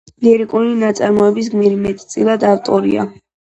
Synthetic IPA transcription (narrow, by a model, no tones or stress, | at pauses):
liɾikʼulinat̪sʼaɾmɔɛbis̬ɡmiɾimɛt̪ʼt̪sʼilˠad̪aft̪ʼɔɾḭa̰